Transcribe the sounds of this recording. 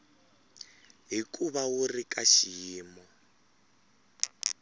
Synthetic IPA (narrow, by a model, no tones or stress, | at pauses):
ɦikuβawurikaʃiːmɔ